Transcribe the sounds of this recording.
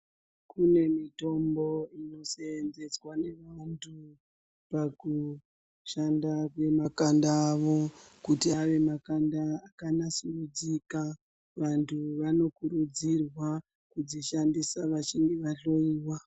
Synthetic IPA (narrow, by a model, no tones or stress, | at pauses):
kune̞mito̞mbo̞ino̞seːnze̞t͡swane̞ʋantʰu | paku | ʃandakwe̞makandaːʋo̞kutiaʋe̞makandaːkanasurud͡zika | ʋantʰuʋano̞kuɾud͡zirwa | kud͡ziʃandisaʋaʃiŋɡiʋaɬo̞iːwa